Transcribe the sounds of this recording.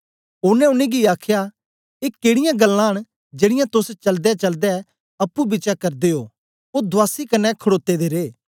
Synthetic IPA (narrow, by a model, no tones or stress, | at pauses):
ʊnɛ̃ʊneɡiaːkʰja | ekeːɽɪjãɡɐlːãɦəɽ̃ | d͡ʒeːɽɪjãt̪ʊst͡ʃɐld̪ɛt͡ʃɐld̪ɛ | ɐpːubɪt͡ʃakɐɾd̪eɦo̰ː | od̪ʊaːsikɐnːɛkʰɐɽoːt̪ːed̪eɾeː